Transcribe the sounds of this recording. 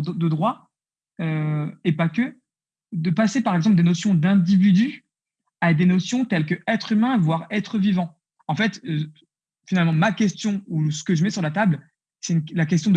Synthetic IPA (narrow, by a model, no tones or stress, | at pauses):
d̪əd̪ʁwa | øepakʲə | d̪əpasepaʁɛɡzɑ̃pld̪enosjɔ̃d̪ɛ̃d̪ivid̪y | ad̪enosjɔ̃t̪ɛlkəɛt̪χymɛ̃vwaʁɛt̪χəvivɑ̃ | ɑ̃fɛt̪ø | finalmɑ̃makʲɛst̪jɔ̃usə̥kəʒəmɛsyʁlat̪abl | sɛynlak̬ʲɛst̪jɔ̃d̪